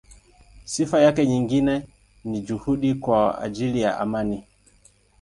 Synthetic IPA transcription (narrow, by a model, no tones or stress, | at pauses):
sifajakɛɲiŋɡinɛ | nid͡ʒuhuɗikwaa̰d͡ʒilija̰ʔa̰mani